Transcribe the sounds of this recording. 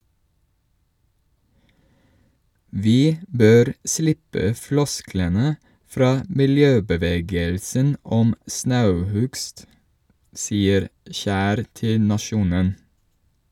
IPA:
ˈʋiː ˈbøːɾ ˈslɪpə ˈflɔsklənə ˈfɾɑː mɪlˈjøːbəˌʋeːɡəlsən ˈɔm ˈsnɑʉˌhʉɡst ˈsiːəɾ ˈçæːɾ ˈtɪl nɑˈʃuːnən

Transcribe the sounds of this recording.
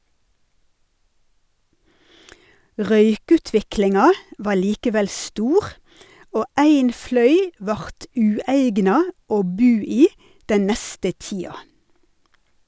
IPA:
ˈʁœʏˌkʉːtʋɪklɪŋɑ ˈʋɑː ˈɭiːkəˌʋɛl ˈstuːʁ ˈoː ˈæɪn ˈflœʏ ˈʋɑʁt ˈʉːæɪɡnɑ ˈoː ˈbʉː ˈiː ˈdɛn ˈnɛstə ˈtiːɑ

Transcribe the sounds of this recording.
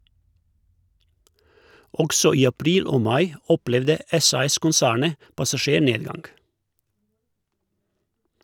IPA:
ˈɔɡsɔ ˈiː ɑˈpɾiːl ˈoː ˈmɑɪ ˈɔˌplɛʋdə ˈɛsɑɛskʊnˌsæːɳə pɑsɑˈʃeːˌɳeːdˌɡɑŋɡ

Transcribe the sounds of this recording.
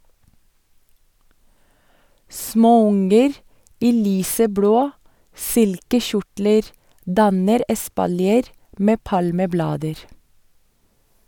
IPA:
ˈsmoːˌʊŋəɾ ˈiː ˈlyːsəˌbloː ˈsɪlkəˌçʊʈləɾ ˈdɑnəɾ ɛspɑlˈjeːɾ ˈmeː ˈpɑlməˌblɑːdəɾ

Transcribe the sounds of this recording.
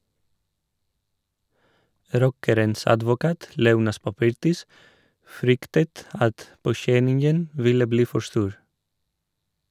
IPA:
ˈɾɔkəɾəns ɑdʋʊˈkɑːt ˈleːˌuːnɑs pɑˈpɪɾtɪs ˈfɾʏktət ˈɑt poːˈçɛnɪŋən ˈʋɪlə ˈbliː ˈfɔ ˈstuːɾ

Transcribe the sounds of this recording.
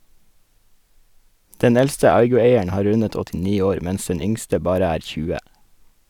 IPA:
ˈdɛn ˈɛlstə ˈɑɪɡʊˌeɪəɳ ˈhɑː ˈɾʉnət ɔtɪˈniː ˈoːɾ ˈmɛns ˈɛn ˈʏŋstə ˈbɑːɾə ˈæːɾ ˈçʉːə

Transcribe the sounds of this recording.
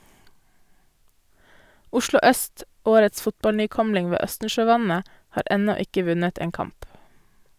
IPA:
ˈʊʃlʊ ˈœst ˈoːɾəts ˈfʊtbɑlnyːˌkɔmlɪŋ ˈʋeː ˈœstn̩ʃøːˌʋɑnə ˈhɑːɾ ˈɛnɔ ˈɪkə ˈʋʉnət ˈeːn ˈkɑmp

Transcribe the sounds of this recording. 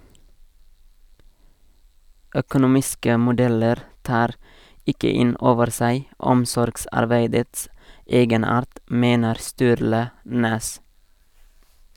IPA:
œkʊnʊˈmɪskə mʊˈdɛləɾ ˈtɑːɾ ˈɪkə ˈɪn ˈoːʋəɾ ˈsæɪ ˈɔmsɔɾɡsɑɾˌbeɪdəts ˈeːɡəˌnɑːɾt ˈmeːnəɾ ˈstʉːɾlə ˈnɛs

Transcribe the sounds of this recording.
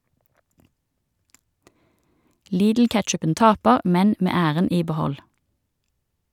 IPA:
ˈliːdl̩ˌkɛtʃʉpən ˈtɑːpəʁ ˈmɛn ˈmeː ˈæːʁən ˈiː bəˈhɔl

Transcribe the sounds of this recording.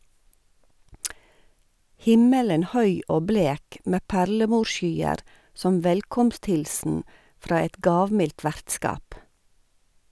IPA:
ˈhɪmələn ˈhœʏ ˈoː ˈbleːk ˈmeː ˈpæɾləˌmuːʃˌʃyːəɾ ˈsɔm ˈʋɛlkɔmstˌhɪlsn̩ ˈfɾɑː ˈɛt ˈɡɑːʋmɪlt ˈʋæɾtˌskɑːp

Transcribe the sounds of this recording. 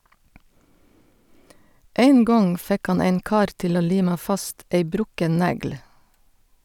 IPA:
ˈæɪn ˈɡɔŋ ˈfɛk ˈhɑn ˈæɪn ˈkɑːɾ ˈtɪl ˈoː ˈliːmɑ ˈfɑst ˈæɪ ˈbɾʊkən ˈnæɡl̩

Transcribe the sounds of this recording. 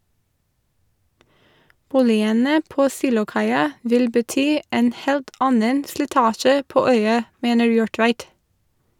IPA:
ˈbuːlɪənə ˈpoː ˈsiːlʊˌkɑɪɑ ˈʋɪl bəˈtyː ˈeːn ˈheːlt ˈɑnən slɪˈtɑːʃə ˈpoː ˈœʏɑ ˈmeːnəɹ ˈjuːɹˌtʋæɪt

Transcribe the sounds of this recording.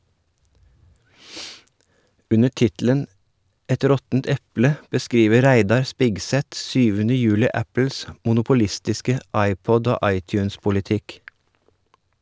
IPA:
ˈʉnə ˈʈɪtl̩ən ˈɛt ˈɾɔtn̩t ˈɛplə bəˈskɾiːʋə ˈɾæɪdɑɾ ˈspɪɡˌsɛt ˈsyːʋənə ˈjʉːlɪ ˈæpəls mʊnʊpʊˈlɪstɪskə ˈɑɪˌpɔd ˈoː ˈʔɑɪˌtjʉːnspʊlɪˌtɪk

